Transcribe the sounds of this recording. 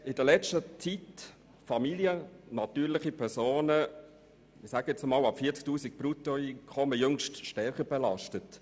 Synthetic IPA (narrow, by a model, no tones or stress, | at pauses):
ɪd̥əlɛt͡ʃtət͡sit | fɑmiljənɑtyːɾlɪχipʰɛɾsoːnə | ɪsæɡɛt͡səmɑːlɑpfiːt͡sk̚tuːsik̚b̥ɾutoiːnkʰɔməjɵŋʃtʃtɛɾχəbɛlɑʃtət